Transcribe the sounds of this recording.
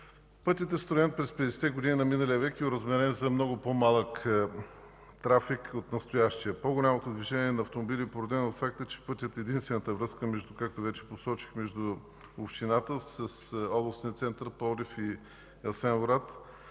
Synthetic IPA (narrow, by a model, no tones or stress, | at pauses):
pɤt̪ʲit̪ɛst̪ɾʊjɛnt̪̚pɾɛspɛd̪ɛsɛ̥t̪ɛɡod̪ininɐminəlijəvɛkiʊɾəzmɛɾɛnzɐmnɔɡʊpomalˠək | t̪ɾafikot̪nɐst̪ojaʃt̪ijəpoɡʊlʲamot̪od̪viʒɛniɛnɐːft̪omobiliɛpoɾod̪ɛnoot̪fak̚t̪ət͡ʃɛ̥pɤt̪ʲət̪ɛd̪inst̪vɛnət̪əvɾəskəmɛʒd̪ukak̚t̪ovɛt͡ʃɛ̥posɔt͡ʃi̥xmɛʒd̪ʊ | opʃt̪inat̪əsɐsɔblˠosʲiət̪sɛnt̪əɾpɔɾifi | ɛlˠsɛnvoɾat̪